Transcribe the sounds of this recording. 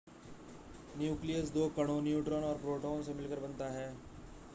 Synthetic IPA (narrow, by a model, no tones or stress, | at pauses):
njuːklijəsd̪oːkɐɽ̃õnjuːʈɾõːnɔːɾpɾoːʈoõsemɪlkəɾbɐnt̪aɦɛː